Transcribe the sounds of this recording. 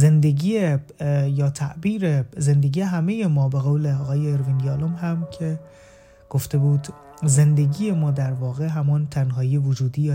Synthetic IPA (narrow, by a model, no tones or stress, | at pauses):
ze̞nd̪e̞ɡiːjejɒːt̪ʰæʔbiːɾezend̪e̞ɡiːjeɦæmejemɒːbeɣowleɒːɣɒːjeːɾvinjɒːlomhæmcʰe̞ | ɡ̥oft̪e̞buːd̪ | ze̞nd̪e̞ɡiːjemɒːd̪æɾvɒːɣeɦæmɒːnt̪ʰænɦɒːjievod͡ʒuːd̪iːjɒː